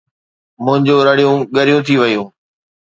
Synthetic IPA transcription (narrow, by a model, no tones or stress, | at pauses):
mʊ̃ɦɪ̃ɲd͡ʑoːɾɐɽijũɠɐɾijũt̪ʰiʋɐjũː